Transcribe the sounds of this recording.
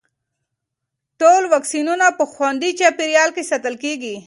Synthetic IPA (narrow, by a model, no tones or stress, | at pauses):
ʈolwaksinunapəxwand̪it͡ʃapiɾijɑlkesat̪əlkeɡi